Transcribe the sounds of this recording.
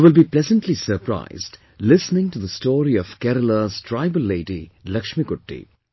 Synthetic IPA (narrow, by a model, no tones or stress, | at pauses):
ʋɪlˠbiplɛzə̃nʈʰlisəɾpʰɾa̰ɪzd | lɪsnɪ̃ŋʈuðəstɔːɾiɔʋ̥kɛɾələz̥tʰɾaɪbəlːeɪɖilʌkʃmikʊʈːḭ